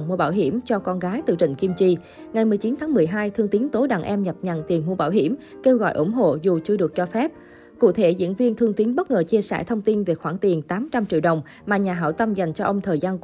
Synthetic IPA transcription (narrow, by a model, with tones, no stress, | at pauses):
ŋmu˧əɓaː˧˩wɦi˧˩əmt͡ɕɔ˧kɔ˧nɣaː˨˦jt̪ɨ̰˧˨t͡ɕḭ̈˧˨ŋ̟ki˧mt͡ɕi˧ | ŋa˨˩jmɨ˨˩əjt͡ɕi˨˦nt̪ʰaː˨˦ŋmɨ˨˩əjɦaː˧jt̪ʰɨ˧əŋt̪i˨˦ənt̪o˨˦ɗaː˧˩ŋʔɛ˧mɲə˨˩p̚ɲa̰˧˨nt̪i˨˩ənmu˧əɓaː˧˩wɦi˧˩əm | ke˧wɣɔ̰˧˨jʔṵ˧˩ŋ͡mɦo̰˧˨zu˨˩t͡ɕɨ˧əɗɨ˨˩ək̚t͡ɕɔ˧fɛ˦˥p̚ | kṵ˧˨t̪ʰe˧˩zḭ˧˥ənvi˧ənt̪ʰɨ˧əŋt̪i˨˦ənɓə˦˥t̚ŋəː˨˩t͡ɕi˧əsɛ̰˧˩t̪ʰə˧wŋ͡mt̪i˧nvie˨˩kxwaː˧˩ŋt̪i˨˩ənt̪aː˨˦mt͡ɕa˧mt͡ɕḭ˧əwɗə˨˩wŋ͡m | maː˨˩ɲaː˨˩ɦa̰ː˧˩wt̪ə˧mza˨˩jŋ̟t͡ɕɔ˧ʔə˧wŋ͡mt̪ʰəː˨˩jzaː˧n